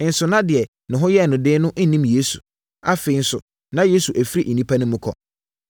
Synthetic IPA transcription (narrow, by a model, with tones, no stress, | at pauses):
n̩˨sʊ˨nã˦dɪ˨ɛ˨ | nʊ̃˨ɦʊ̃˦jɛ˦˨nʊ̃˨dɪː˦nʊ̃˦ʔn̩˦nĩ˦mje˦su˨ | a˦fe˨i˦n̩˦sʊ˨ | nã˦je˦su˨ʔæ˨fi˦ɾi˦ʔi˨nĩ˦pʰa˦nʊ̃˦mʊ̃˦kʰɔ̰˨